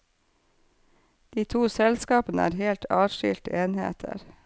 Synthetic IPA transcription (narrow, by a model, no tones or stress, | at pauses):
d̪̥iːt̪ʰuːsɛlskɑːpənəæ̰ːɾheːlt̪ʰɑːʃʏ̰ːlt̪əeːnhḛːt̪ʰə̰ɾ